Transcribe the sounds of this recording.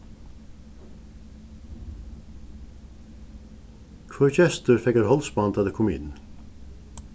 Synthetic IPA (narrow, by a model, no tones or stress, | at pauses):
kʰʋɔɾçɛst̪əɾfɛkəɾhɔlsbɑnd̪ɑːd̪eːkʰɔmɪ̰n